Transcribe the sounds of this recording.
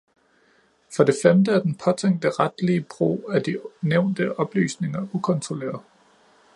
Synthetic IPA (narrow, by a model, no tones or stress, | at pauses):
fɒ̽d̥e̝femd̥əæɐd̥enpʰɒ̽t͡sʰeŋ̰d̥əʁad̥liəb̥ʁo̰ːæɐd̥ineʊ̰nd̥əʔɒ̽b̥ly̰ːsne̝ŋɐʔukʰɒ̽nt͡sʰʁo̝lḛːɐðˠ